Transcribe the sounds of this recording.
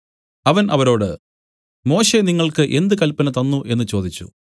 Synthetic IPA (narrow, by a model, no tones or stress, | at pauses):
ɐʋɐnʔɐʋɐɾo̞ːɽɨ | mo̞ːɕe̞niŋːɐɭkɨʔe̞nd̪ɨkɐlpɐnɐt̪ɐnːuʔe̞nːɨt͡ɕo̞ːd̪it͡ɕːṵ